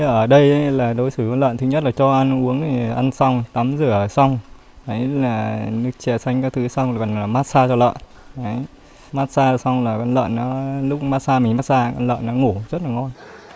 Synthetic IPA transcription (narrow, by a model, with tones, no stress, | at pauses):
ʔəː˧˩ɗə˧jlaː˨˩ɗo˨˦jsɨ˧˩kɔ˧nlə̰ː˧˨nt̪ɨ˨˦ɲə˦˥t̚laː˨˩t͡ɕɔ˧ʔa˧nʔu˨˦əŋt̪ʰi˨˩ʔa˧nsa˧wŋ͡mt̪a˨˦mzɨ˧˩ə˨˩sa˧wŋ͡m | ʔə˨˦jlaː˨˩nɨ˦˥k̚t͡ɕɛ˧˩sa˧jŋ̟kaː˦˥k̚t̪ʰɨ˨˦sa˧wŋ͡mɨ˨˩kɔ˨˩nlaː˨˩maː˦˥t̚saː˧t͡ɕɔ˧lə̰ː˧˨n | a˨˦j | maː˦˥t̚saː˧a˨˩sa˧wŋ͡mlaː˨˩kɔ˧nlə̰ː˧˨nːɔ˨˦lʊ˦˥k͡p̚maː˦˥t̚saː˧mï˨˩ŋmaː˦˥t̚saː˧kɔ̰˧nlə̰ː˧˨nːɔ˨˦ŋu˧˩zə˦˥t̚laː˨˩ŋɔ˧n